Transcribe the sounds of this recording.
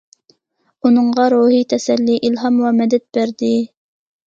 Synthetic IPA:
unɨŋʁɑɾuɦit̪ʰɛsɛlːiʔilɦɑmwɑmɛd̪ɛt̪̚b̥æɾd̪ɪ

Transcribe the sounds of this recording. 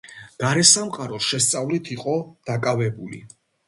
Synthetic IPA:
ɡ̥aɾɛsamqʼaɾɔʃɛst̪sʼavlit̪ʰiqʼɔd̪̥akʼavɛbulḭ

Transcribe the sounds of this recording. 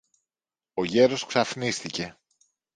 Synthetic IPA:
o̞ʝe̞ɾo̞sksɐfnist̪ice̞

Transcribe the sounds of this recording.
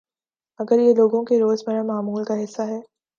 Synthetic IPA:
ɐɡəɾjeloːɡõkeɾoːzmɐɾamaːmuːlkaɦɪsːaɦɛː

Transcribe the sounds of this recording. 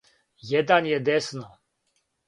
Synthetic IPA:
jɛd̪anjɛd̪ɛsnɔ

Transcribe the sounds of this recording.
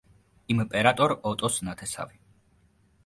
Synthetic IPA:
impʼɛɾat̪ʼɔɾɔt̪ʼɔsnat̪ʰɛsa̰vi

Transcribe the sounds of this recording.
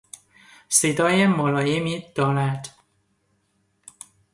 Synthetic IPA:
sed̪ɒːjemolɒːjemiːd̪̥ɒːɾæd̪̥

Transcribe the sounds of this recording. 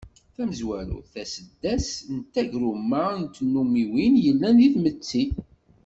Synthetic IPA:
θæməzwæɾṵθæsəd̪ːæsnt̪ːæʝɾumːant̪nːumiwinjəlːænðiθmət͡sːi

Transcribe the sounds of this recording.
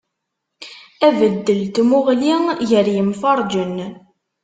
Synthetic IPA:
ævəd̪ːəlt̪muʁlijəɾjəmfɑɾˤd͡ʒən

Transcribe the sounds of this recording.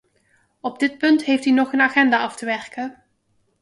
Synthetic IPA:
ɔb̚dɪt̚pɵntɦejftinɔχənaːχɛndaːɑftəʋɛrkə

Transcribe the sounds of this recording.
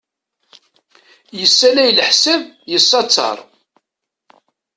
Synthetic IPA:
jəsːælæjlħsævjəsˤːɑt͡sːɑ̰ɾˤ

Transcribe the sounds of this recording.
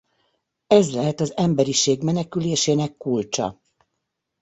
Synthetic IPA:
ɛzlɛɦɛt̪ɒzɛmbɛɾiʃeːɡmɛnɛkyleːʃeːnɛkːult͡ʃɒ̰

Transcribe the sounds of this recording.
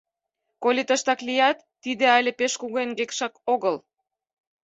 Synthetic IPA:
kolʲit̪əʃt̪ɑklijɑt̪ːid̪eɑjlʲepeʃkuɣenɡekʃɑkoɣəl

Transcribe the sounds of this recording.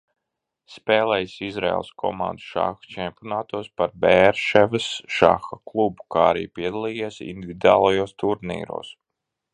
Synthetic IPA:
speːlˠɛjsizɾɛ̰ɛ̰lˠskʰɔ̰mã̰nd̪u̥ʃa̰xt͡ʃɛmpʲiɔnaːt̪uɔspaɾbeɾʃɛvɨsʃa̰xaklˠubu̥kaːaɾḭːpiɛd̪alˠiːjesḭnd̪ʲivʲid̪aːlˠajoːst̪uɾnḭːɾo̰ːs

